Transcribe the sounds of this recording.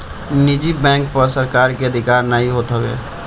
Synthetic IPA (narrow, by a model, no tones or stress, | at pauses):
nid͡ʒibɛ̃ŋk̚pəɾsəɾkaːɾkeəd̪ʱikaːɾnaɦiɦot̪ɦəwḛ